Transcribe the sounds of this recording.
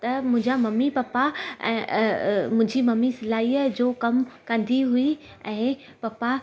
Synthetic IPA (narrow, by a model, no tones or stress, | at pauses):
t̪ɐmʊ̃ɪ̃ɲd͡ʑamɐmːipaːpaɛ̃ː | mʊ̃ɦɪ̃ɲd͡ʑimɐmisɐlaːiːəd͡ʑoːkɐmkɐ̃nd̪iɦui | ɛ̃ː | paːpa